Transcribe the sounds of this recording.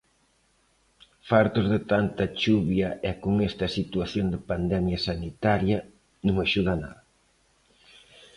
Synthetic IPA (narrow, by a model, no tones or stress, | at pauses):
faɾt̪ozðɪt̪ant̪ɐt͡ʃuβjɐɛkoŋɛst̪ɐsit̪uaθjond̪ɪpand̪ɛmjɐsanit̪aɾjɐ | nũŋaʃuðɐna̰ðɐ